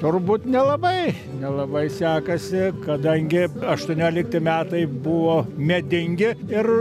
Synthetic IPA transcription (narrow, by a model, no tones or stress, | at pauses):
t̪ʊrbuːt̪nʲɛlˠɐbɐɪ | nʲɛlˠɐbɐɪsʲæːkɐsʲɪkɐd̪ɐŋʲɡʲɪɐʃt̪uɔnʲoːlʲɪk̚t̪ʲɪmʲæːt̪ɐɪbʊʋoːmʲɛd̪ʲɪŋʲɡʲɪɪr